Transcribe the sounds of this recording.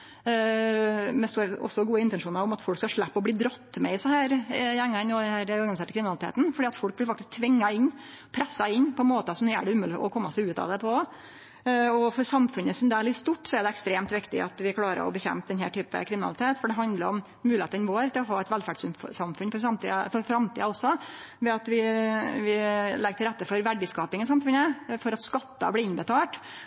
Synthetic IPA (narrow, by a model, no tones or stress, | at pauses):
mɛst̪uːɾəɔ̰sːɔɡuːəɪnt̪ɛnʂuːnɑɾɔmɑt̪fɔlkskɑʂɭæpːɔbliːd̪ɾɔt̪ːmɛɪsɑhæːɾjæŋːɑnɔd̪hæːɾɔɾɡɑnɪseːʈəkʰɾɪmɪnɑlɪt̪ʰḛːt̪n̩fɔɖiːɑt̪fɔlk̚blɪɾfɑkt̪ɪsk̚t̪ʰʋɪŋːɑɪnː | pʰɾɛsːɑɪnːpʰɔmoːt̪əsɔmd̪ɛjæ̰ːɖɛʉmʉːlɪʔɔ̰kʰɔmːɑsæʉːt̪ɑ̰ʋd̪ɛpʰɔ | ɔfɔɾsɑmfʉnəsɔmd̪ɛlɪst̪uʈːsɔæɖɛɛkst̪ɾeːmt̪ʋɪkt̪ɪ̰ʔɑ̰t̪ʋɪkʰlɑːɾə̰ɾɔ̰bəçɛ̰mp̚d̪ɛnhæːʈʰyːpə̰kʰɾɪmɪnɑlɪt̪ʰeːt̪fɔɖɛɦɑnd̪ləɾɔm | mʉlɪeːt̪ənʋoːɾt̪ʰɪlɔɦɑːɛt̪ʋælfæɖsʉmfsɑmfʉnfɔɾsɑmt̪ḭːfɔɾfɾɑmt̪ʰḭːɑɔsːɔ | ʋɛɑt̪ʋɪʋɪlɛɡəʈʰɪlɾɛt̪ːəfɔɾʋæɖɪskɑːpɪŋɪsɑmfʉnəfɔɾɑt̪skɑt̪ːɑ̰blɪːɪnbət̪ʰɑːʈ